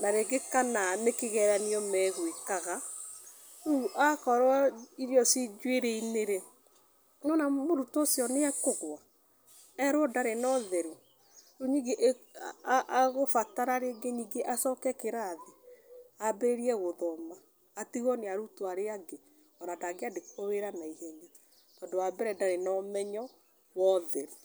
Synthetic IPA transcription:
naɾeɡekananekeɣɛɾaniɔmɛɣwekaɣa | ɾuʔakɔɾwaiɾjɔsid͡ʒweɾeineɾe | nɔnamoɾutɔːsjɔneɛkoɣwa | ɛɾwɔdaɾenɔðɛɾu | ɾuɲiɡeʔ | ʔɣofataɾaɾeɡeɲiɡeʔasɔkɛkeɾaːðeabeɾeɾiɛɣoðɔmaː | tiɣɔneaɾutoaɾeaɡe | ɔɾadaɡeadekoweɾanaihɛɲa | tɔdoabɛɾɛdaɾenɔmɛɲɔ | wɔðɛɾu

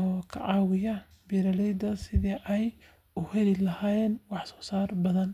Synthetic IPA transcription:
ɔkʰɐ̰ʕɑːwɪjɐ | biɾɐlɛjd̪ɐsɪðiʔɛj | ʊhɛlɪlɐhaːjɛːnwɑħsɔ̥ːsaːrbɐðɐn

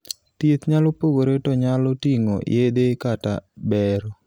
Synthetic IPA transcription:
t̪it̪ɲalɔpoɡoɾetɔɲalɔtiŋo̰jed̪ekata̰bɛɾɔ

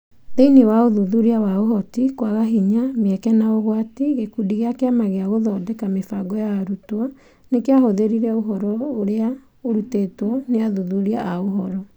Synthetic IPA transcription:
ðeinewaoðuðuɾiawaoɦɔtikwaɣaɦiɲameɛkɛnaoɣwatiɣekudiɣeakeamaɣeaɣoðɔdɛkamefaɡɔjaːɾutwa | nekeaɦoðeɾiɾɛoɦɔɾɔoɾea | oɾutetwɔneaðuðuɾiaʔaoɦɔɾɔ

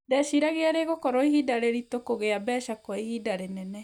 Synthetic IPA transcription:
dɛʃiɾaɣeaɾeɣokɔɾoiɦidaɾeɾit̪okoɣeabɛːʃakɔɛihidaɾenɛnɛ

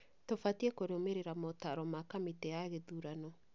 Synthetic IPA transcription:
tofatiɛkoɾeomeɾeɾamotaɾɔmakamitɛaɣeðuɾanɔ

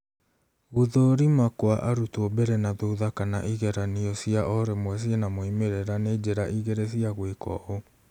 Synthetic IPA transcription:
ɣuðoɾimakwaʔaɾutobɛɾɛnaðouðakana̰ʔiɣɛɾaniɔsiaʔɔɾemwɛs̬ienamoimeɾeɾaned͡ʑeɾaʔiɣeɾes̬iaɣwekɔ̰o

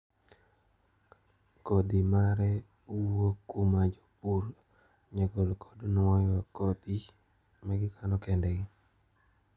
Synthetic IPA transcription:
kɔd̪imaɾɛ | wokumad͡ʒɔ̥pur | ɲaɡɔlkʰɔdnwɔjɔkɔd̪i | maɡɪkʰanɔkɛndɛɡɪ

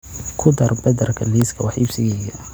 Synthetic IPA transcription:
kʰʊd̪ɐrbɐd̪ɐrkʰɐliːskʰɐwɑħibsɪɣɛjɐ

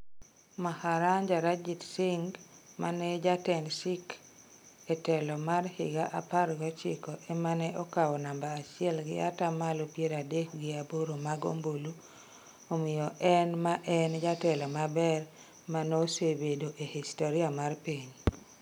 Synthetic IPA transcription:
mahaɾaɲd͡ʒaɾad͡ʒitsɪŋɡ | manɛd͡ʒatɛnʃɪk | ɛtɛlɔmarhɪ̰ɡaʔapaɾɡɔt͡ʃɪkɔʔemanɛʔokawɔnambaːt͡ʃɪɛlɡɪ̰a̰tamalopjeɾadek̚ɡɪaboɾomaɡo̰mbolu | omɪjɔʔɛnmaʔɛnd͡ʒatɛlɔmabɛr | manosebedoʔehistoɾiamarpiɲ

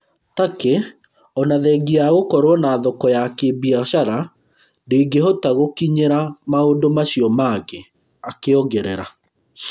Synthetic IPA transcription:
take | ɔnaðɛɡiaɣokɔɾwɔnaːðɔkɔjakebiaɕaɾa | ndeɡeɦɔtaɣokiɲeɾamaondomaɕiɔmaɣe | akeɔɡɛɾɛ̰ɾa

